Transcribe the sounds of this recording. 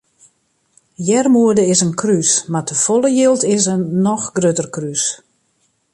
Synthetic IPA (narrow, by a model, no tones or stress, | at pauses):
jɛrmuədəɪsənkʰrysmartʰəfɔlˠəjilˠtɪsənːɔxɡrøːtərkrys